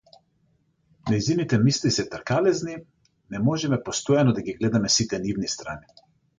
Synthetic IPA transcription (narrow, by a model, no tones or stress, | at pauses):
najzinit̪ɛmislisɛt̪ɛɾkalɛzni | nɛmɔʒɛmɛpɔst̪ɔjanɔd̪aɡiɡlɛd̪amɛsit̪ɛnivnist̪ɾa̰ni